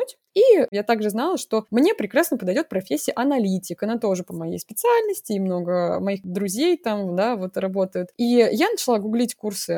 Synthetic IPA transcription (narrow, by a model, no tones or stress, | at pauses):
utʲ | ijat̪aɡʐɨznalˠəʂt̪o̞mnʲepɾʲɪkɾasnəpəd̪ɐjdʲo̞t̪̚pɾɐfʲesʲːɪəʔɐnɐlʲitʲɪkɐnat̪o̞ʐɨpəmɐjḛjspʲɪt̪sɨalʲnəsʲtʲɪːmno̞ɡəmɐixd̪ɾʊzʲejt̪amd̪avo̞t̪rɐbo̞t̪əjʊt̪ijanət͡ɕɪlˠaɡʊɡlʲitʲkursɨ